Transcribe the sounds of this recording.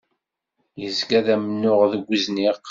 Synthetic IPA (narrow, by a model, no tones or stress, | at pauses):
jəzɡæðæmənːʊʁðəɡʷːizniʁ